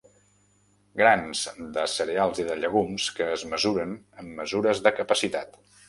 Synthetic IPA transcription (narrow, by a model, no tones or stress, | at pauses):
ɡɾanz̥d̪əsəɾealˠziðəʎəɣ̞umskəːzməzuɾən | əmːəzuɾəzðəkəpəsit̪at̪